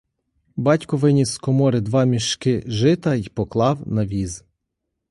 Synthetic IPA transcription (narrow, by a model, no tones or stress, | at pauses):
bɑtʲkʊʋɪnʲiskɔmɔɾɪd̪ʋɑmʲiʃkɪʒɪt̪ɐjpɔklˠɑwnɐʋʲiz